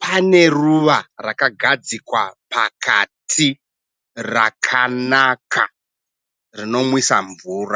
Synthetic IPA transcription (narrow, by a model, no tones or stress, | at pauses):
pane̞ruʋarakaɡʱad͡zikwapakʰatʰi | ra̰kʰanakʰa̰ | rino̞mwisaɱvuːra